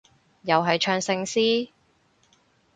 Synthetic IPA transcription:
jɐ˨wɦɐ˨jt͡ʃʰœː˧ŋsɪ˧ŋsiː˥

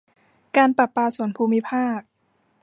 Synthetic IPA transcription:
kaː˧npa˨˩pːaː˧su˩˦ənpʰuː˧mi˦˥pʰaː˥˩k̚

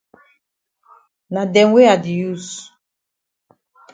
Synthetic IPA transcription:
na˨dɛ˨ŋwe˦a˨di˨ju˦˨s

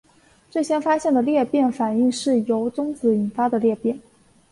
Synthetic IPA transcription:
ʈ͡ʂɤ˥˩ɕjɛ˥nfa˥ɕjɛ˥˩nd̪ə˩ljɛ˥˧pjɛ˥˩nfa˨˩ni˥˧ŋʂɻ̩˥˩jo˧˥ʊt͡sʊ˥ŋt͡sɹ̩˧˥i˨˩nfa˥d̪ə˨ljɛ˥˧pjɛ˥˩n

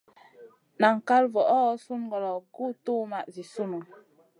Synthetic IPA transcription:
na˨ŋ˨ka˦lvɔ˨ʔɔ˦su˦n˨ɡɔ˨lɔ˨ɡu˦tu˦ma˨ʔzi˨su˦nu˨

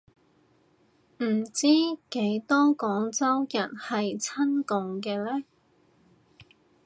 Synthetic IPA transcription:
m̩˨˩t͡siː˥ke˨˥jt̪ɔː˥kɔː˨˥ŋt͡sɐ˥wjɐ˨˩nhɐ˨jt͡sʰɐ˥nkʊ˨ŋkɛː˧lɛː˥

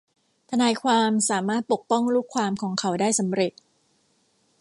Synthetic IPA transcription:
t̪ʰa˧naː˧jkʰwaː˧msaː˩˦maː˥˩t̪̚po˨˩k̚pɔ˥˩ŋɾuː˥˩kʰwaː˧mkʰɔː˩˦ŋkʰa˩˦wdaː˥˩jsa˩˦mɾe˨˩t̪̚

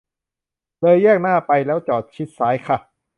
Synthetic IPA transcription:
lɤː˧jːɛː˥˩k̚naː˥˩pa˧jlɛː˦˥wt͡ɕɔː˨˩t̪̚t͡ɕʰi˦˥t̪̚saː˦˥jkʰa˥˩

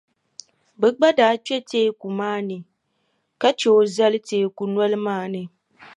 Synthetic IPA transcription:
bɛ˨ɡ͡ba˦daː˨˦t͡ʃɛ˦teː˦ku˨maː˦nɨ˨ | ka˦t͡ʃo˨˦za˦lɨ˦teː˨ku˨nwɔ˦lɨ˦maː˦˨nɨ˨

